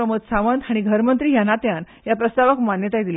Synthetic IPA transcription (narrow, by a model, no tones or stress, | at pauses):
əmət̪saʋənd̪aɽ̃iɡʱəɾmənt̪ɾiːjanat̪jan | japɾəst̪aʋəkmanjət̪ajd̪ila